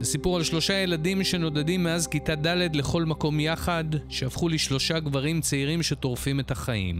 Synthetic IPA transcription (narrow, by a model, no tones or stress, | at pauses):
besipuʁalʃlo̞ʃaje̞ladimʃe̞no̞dadimːeazkitadale̞dle̞χo̞lmako̞mjaχadʃeafχuliʃlo̞ʃaɡvaʁimt͡seiʁimʃe̞to̞ʁfime̞thaχajḭm